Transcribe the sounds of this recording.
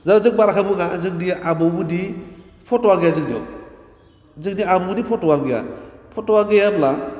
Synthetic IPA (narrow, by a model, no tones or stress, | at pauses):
zazɯk̚baɾakʰabɯɡazɯk̚diabɔɡudi | pʰɔtɔwaɡejazɯk̚diɔ̰ | zɯk̚diabɔɡudipʰɔtɔwaɡija̰pʰɔtɔwaɡejabla